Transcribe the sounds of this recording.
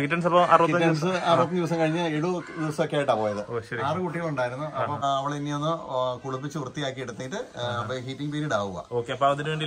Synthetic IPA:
kitːɐnsɐpːoa̰rutiɐtːɐnsɨaːruːt̪ːɐdiʋɐs̬ɐmkɐɻiɲːaiɽud̪iʋɐsɐmkːeaːjiʈːaːpoːjɐðɨɕɐɾaːrɨkuʈːiɣɐɭuɳɖaːjiɾunːuɐpːɐɐʋiɭinːionːokuɭup̬ːit͡ɕːɨʋrt̪ːijaːkːieɽut̪ːejiʈːɨɐpːɐɦiːtːiŋpeːɾiɽaːʋuɣɐ̰oːkːeɐpːoɐðinɨʋeɳɖi

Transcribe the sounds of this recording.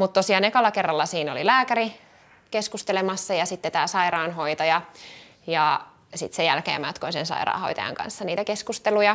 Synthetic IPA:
mut̪t̪osiɑːnekɑlːɑkerːɑlːɑsiːnolilæːkæri | keskust̪elemɑsːɑjɑsit̪ːet̪æːsɑiɾɑːnɦoit̪ɑjɑ | jɑ | sit̪sejælkḛːmæt̪konsensɑ̰iɾɑ̰ːho̰it̪ɑ̰jɑ̰ŋkɑ̰nsːɑniːt̪ækeskust̪elujɑ

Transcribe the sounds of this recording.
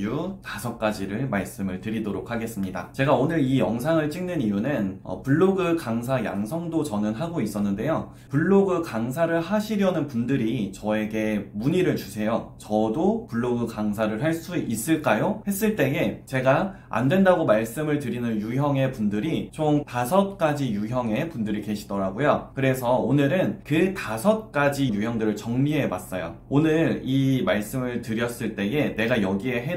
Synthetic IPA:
jutasʰʌk͈ad͡ʑiɾɯɭmaɭs͈ɯmɯɭtɯɾidoɾokʰaɡe̞s͈ɯmɲida̰t͡ɕe̞ɡaonɯɾijʌŋsʰaŋɯɭt͡ɕ͈ʰiŋnɯnijunɯnʌ̰puɭːoɡɯkaŋs̬ʰaja̰ŋsʰʌŋdot͡ɕʌnɯnɦaɡois͈ʌnːɯnde̞jo | puɭːoɡɯkaŋs̬ʰaɾɯɭhaɕʰiɾjʌnɯnpundɯɾit͡ɕʌe̞ɡe̞muɲiɾɯɭt͡ɕusʰe̞jot͡ɕʌdopuɭːoɡɯkaŋsʰaɾɯɭɦaɭs͈uis͈ɯɭk͈ajohe̞s͈ɯɭt͈e̞e̞t͡ɕe̞ɡa | a̰ndwe̞ndaɡomaɭs͈ɯmɯɭtɯɾinɯnjujʌŋe̞pundɯɾit͡ɕomtasʰʌt̚k͈ad͡ʑijuçjʌŋe̞pundɯɾike̞ɕʰi̥dʌɾaɡojokɯɾe̞sʰʌonɯɾɯnkɯtasʰʌt̚k͈ad͡ʑijujʌŋdɯɾɯɭt͡ɕʌŋɲiɦe̞was͈ʌjo̰onɯɾimaɭs͈ɯmɯɭtɯɾjʌs͈ɯɭt͈e̞e̞ne̞ɡajʌɡie̞ɦe

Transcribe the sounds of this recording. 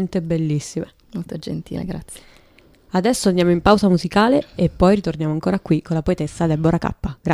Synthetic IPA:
nt̪ebelːisːime | molt̪od͡ʒḛnt̪ḭːlḛɡɾat̪se̥ | ad̪ɛsːoand̪amoimpawzamuzikaːleepːɔjɾit̪ornjaːmoaŋkoːɾakwikʰolapoet̪esːad̪elboɾaka̰pːaɡɾa

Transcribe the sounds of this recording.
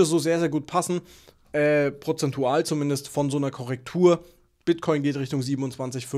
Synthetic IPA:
əszoːzeːɐzeːɐɡuːt̚pʰasn̩ | ʔɛːpʁ̥ot͡sɛntʰuaːlt͡sumɪndəstfɔnzoːnɐkʰɔʁ̞ɛk̚tʰuːɐ | b̥ɪtkʰɔʏnɡeːtʁɪçtʊŋziːbm̩ʊnt͡sv̥ant͡sɪçf

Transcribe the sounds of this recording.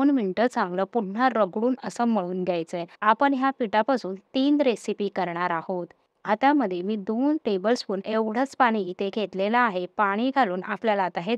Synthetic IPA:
nmiɳʈət͡sãŋɡləːpun̤ːaɾəɡɽuːnəsəməɭuːnd̪jajt͡səeapəɳɦjapiʈapasuːnt̪iːnd͡zɾesipiːkəɾɳaɾahot̪ | at̪jaməd̪ʱjemiːd̪onʈebəlspuneʋɽ̤ət͡spaɽ̃iːt̪ekʰet̪lelaːɦepaɽ̃iːɡʱaluːnapljalat̪aɦe

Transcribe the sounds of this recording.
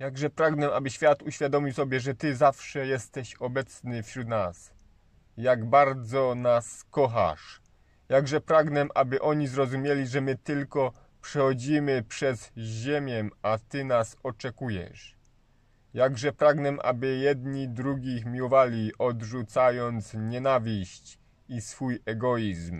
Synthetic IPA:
jaɡʐɛpɾaɡnɛʔabɘɕfʲjat̪uɕfʲjad̪ɔmʲiwsɔbʲjɛʐɛt̪ɘzafʂɛjɛst̪ɛɕɔbɛt̪snɘfɕɾut̪nas | jaɡbaɾd̪zɔnaskɔxa̰ʂ | jaɡʐɛpɾaɡnɛʔabɘʔɔɲizɾɔzumʲjelʲiʐɛmɘt̪ɘlkɔ | pʂɛxɔd͡ʑimɘpʂɛzʑemʲjɛmat̪ɘnasɔt͡ʂɛkujɛ̰ʂ | jaɡʐɛpɾaɡnɛmʔa̰bɘjɛd̪ɲid̪ɾuɡʲixmʲiwɔvalʲiʔɔd̪ʐut̪sajɔnt̪sɲɛnavʲiɕt͡ɕ | isfujɛɡɔjizm

